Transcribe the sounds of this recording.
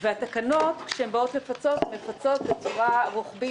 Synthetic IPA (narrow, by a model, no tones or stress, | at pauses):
veat̪akano̞t̪kʃeembaot̪me̞fat͡so̞t̪me̞fat͡so̞t̪bet͡suʁaʁuχbi